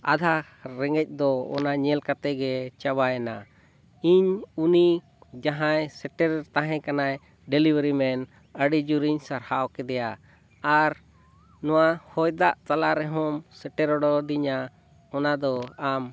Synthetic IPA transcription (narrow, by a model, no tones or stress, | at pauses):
a̰d̪ʱa | ɾɛŋɡɛc̚ˀd̪ɔɔ̰naɲɛlkat̪ɛɡɛt͡ʃabajɛna̰ | iɲuni | d͡ʒaɦajsɛʈɛɾt̪aɦɛ̃kanaj | ɖɛlibəɾimɛn | əɽid͡ʒuɾiɲsaɾhaʔɔkɛd̪ɛjaː | ɾ | nɔwahɔjd̪aʔt̪alaɾɛɦɔmsɛʈɛɾɔɽɔd̪iɲa | ɔnad̪ɔam